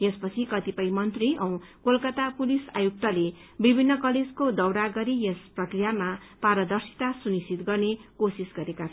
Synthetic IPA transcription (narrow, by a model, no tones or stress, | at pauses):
jespʌt͡sʰikʌt̪ipʌjmʌnt̪riʔʌw̃kolkʌt̪apulisa̰juk̚t̪ʌlebibʱinːʌkʌled͡zkod̪ʌwɽaɡʌɾijesprʌkrijama | paɾʌd̪ʌrsi̥t̪asunisit̪ɡʌrnekosisɡʌɾeka